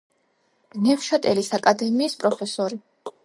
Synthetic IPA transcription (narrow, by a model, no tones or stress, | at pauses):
nɛfʃat̪ʼɛlisakʼad̪ɛmiːspʼɾɔpʰɛsɔɾi